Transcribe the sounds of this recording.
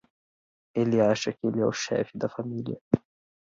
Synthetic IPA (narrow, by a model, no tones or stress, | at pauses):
ʔɪlːiʕaʃakiliʔʊʃːa̰ːfid̪afamiːlja